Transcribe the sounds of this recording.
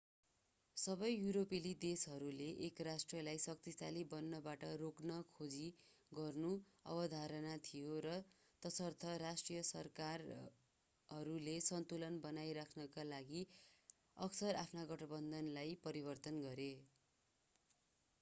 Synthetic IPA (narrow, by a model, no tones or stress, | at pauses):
sʌbʌjːuɾopilid̪esɦʌɾuleʔːkrasʈrʌlajsʌk̚t̪isalibʌnːʌbaʈʌroknʌkʰod͡zi | ɡʌrnuʌ̰bʌd̪ʱaɾʌnat̪ʰijoɾʌ | t̪ʌsʌrt̪ʰʌrasʈrijʌsʌrkar | ɦʌɾulesʌnt̪ulʌnbʌnajɾakʰnʌkalaɡi | ʌksʌrapʰnaɡʌʈʌbʌnd̪ʱʌnlajpʌɾibʌrt̪ʌnɡʌɾe